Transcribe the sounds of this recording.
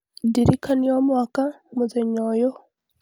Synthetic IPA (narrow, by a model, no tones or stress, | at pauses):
ndiɾikʰaniomwaːka | muzeɲoːjo